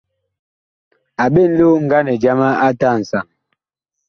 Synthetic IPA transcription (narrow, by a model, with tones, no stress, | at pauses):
a˨ɓe˦˨n̩˦lo˦ŋ̩˨ɡa˦nɛ˨d͡ʒa˦ma˦a˦ta˦˨n̩˨sa˨ŋ